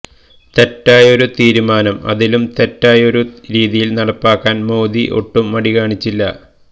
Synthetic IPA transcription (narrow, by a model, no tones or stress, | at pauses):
t̪etːaːjo̞ɾut̪iːɾumaːnɐmɐ̰ðilumt̪etːaːjo̞ɾuɾiːðijilnɐɽɐpːaːkːaːnmoːðiʔo̰ʈːumːɐɽikaːɳit͡ɕːilːɐ̰